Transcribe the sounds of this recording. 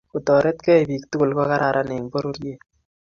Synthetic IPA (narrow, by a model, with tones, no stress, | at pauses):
ku˨tɔ˨ɾe˦t̪̚kɛ˦˨bi˨k̚tu˦kʊ˨lkɔ˦ka˦ɾa˨ɾʔa˦ne˨ŋbɔ˦ɾo˦ɾje˨